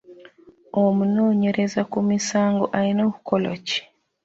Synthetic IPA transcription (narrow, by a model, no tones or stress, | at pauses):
omunoːɲe̞ɾezakumisaːŋɡo̰ʔaɾinoku̥kʰolo̰ci̥